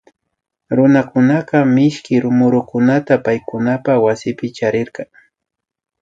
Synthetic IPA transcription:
ɾʊnakʊnaqɑmɪʃkɪɾʊmʊɾʊkʊnat̪apajkʊnapawasɪpɪt͡ʃaɾɪɾqɑŋ

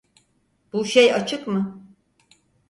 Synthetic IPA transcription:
b̥uʃejat͡ʃʰɯkmɯ

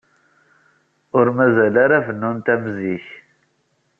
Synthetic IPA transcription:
ʊɾmæzælæɾafnunt̪æmziç

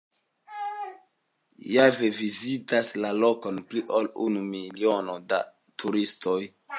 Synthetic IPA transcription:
javevizitaslalo̞ko̞npliʔolunumilio̞noda̰ | tʰuɾisto̞j

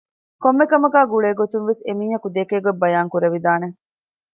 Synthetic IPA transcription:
komːekɐmɐɡæːɡuɭeːɡot̪unʋesemiːɦɐkud̪ekeːɡobːɐjaːŋkuɾeʋid̪aːne

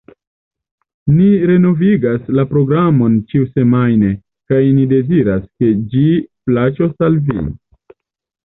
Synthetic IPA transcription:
niɾe̞no̞viɡaslapɾo̞ɡɾamo̞nt͡ʃiuse̞majne̞ | kajnide̞ziɾaske̞d͡ʒiplat͡ʃo̞salvḭ

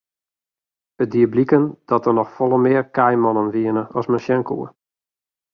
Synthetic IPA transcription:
bədiəblikənd̥ɔtərnɔxfɔlˠəmɪərkɛjmɔnənʋiənəɔsmənʃjɛŋkṵə

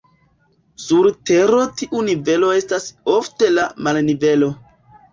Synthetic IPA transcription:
suɾte̞ɾo̞tiʔunive̞lo̞e̞stasofte̞lamalnive̞lo̞

